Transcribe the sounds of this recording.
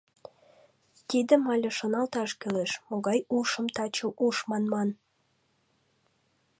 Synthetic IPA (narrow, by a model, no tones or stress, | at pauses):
t̪id̪əmɑlʲeʃonɑlt̪ɑʃkøleʃmoɣɑjuʃəmt̪ɑt͡ɕuʔuʃmɑnmɑn